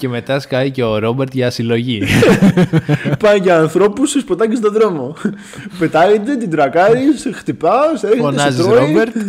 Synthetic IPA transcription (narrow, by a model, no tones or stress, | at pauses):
ce̞me̞t̪ɐskɐiceoɾo̞beɾt̪ʝɐsilo̞ʝi | pɐjʝɐɐːnθɾo̞pusespot̪ɐcis̬t̪oðɾo̞mo̞ | pe̞t̪ɐjid̪et̪̬id̪ɾɐkɐɾisxt̪ipɐoseɾçot̪ensɐzioɾoibeɾt̪